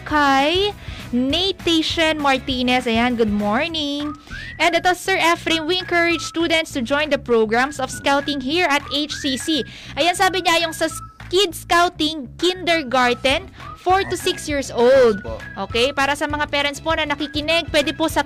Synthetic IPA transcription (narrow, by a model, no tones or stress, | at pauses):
kʰajnejt̪eʃɐnmɐɹt̪iːnɛsɐjanɡʊd̪̚moɹnɪŋʔɛnd̪ɛt̪osɛɹʔɛfɾenwiɛ̃ŋkɐɹɪd͡ʒst̪uːd̪ɛ̃nt̪st̪ʊd͡ʒɔjnd̪ɐpɹowɡɹamsɔfskawt̪ɪŋɦiɹʔɐt̪ejt͡ʃsisi | ʔɐjɐnsaːbɪɲaʔɐjʊŋsɐ | kɪd̪̚skawt̪ɪŋkɪnd̪ɛɹɡaɹd̪ɛn | foɹt̪ʊsɪksjiɹsʔowld̪̚ʔoːkɛjpaːɾɐsɐmɐŋapɛɾɐnt̪sponɐnɐkikɪnɛɡ̚pwɛd̪ɛposɐ